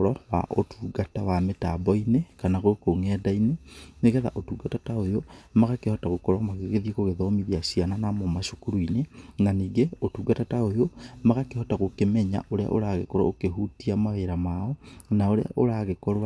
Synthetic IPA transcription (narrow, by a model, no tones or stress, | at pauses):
ɾɔwa̰ʔo̰tʰuːɡatawametabɔinekanaɣokoŋɛːdaineneɣɛða̰ʔotuːɡatataojomaɣakehɔtaɣokɔɾwamaɣeɣeðieɣoɣeðɔmiðiasiananamomaʃokuɾuinenaniːɡeotuːɡatataojomaɣakehɔtaɣokemɛɲa̰ʔoɾea̰ʔoɾaɣekɔɾwa̰okeɦutiamaeɾamaɔnaoɾea̰ʔoɾaɣekɔɾw